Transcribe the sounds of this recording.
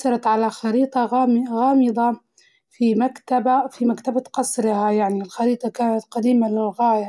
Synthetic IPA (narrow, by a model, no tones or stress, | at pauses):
sɑɾˤɑt̪ʕalaxɑɾiːt̪ˤɑɣɑːmɣaːmɨd̪ˤɑ | fimakt̪abafimakt̪abaqɑsˤɾɪhajaʕnilxɑɾiːt̪ˤɑkaːnat̪qɑd̪iːmalɪlɣaːja